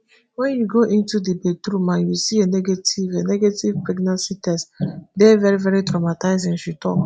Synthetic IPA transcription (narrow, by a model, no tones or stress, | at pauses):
wɛ̃njuɡoʔĩntudibetɾumãnjusienɛɡetʰivenɛɡetivpɹɛɡnãnsitɛsdɛvɛɹivɛɹitɹamataɪzĩŋʃutʰɔ̰k